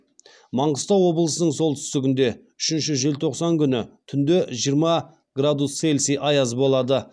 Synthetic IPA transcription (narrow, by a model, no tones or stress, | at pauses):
mɑɴʁəst̪ɑwo̞blˠəsənəɴso̞lˠt̪ʰʏ̥st̪ɪɡʲɪnd̪e̞ | ʏʃɪnʃɪʒe̞lt̪ʰo̞qsɑŋkʲʰʏnɪ̰t̪ʰʏnd̪e̞ʒijəɾmɑ | ɡrad̪usselʲsijʔɑjɑzbo̞lˠɑd̪ə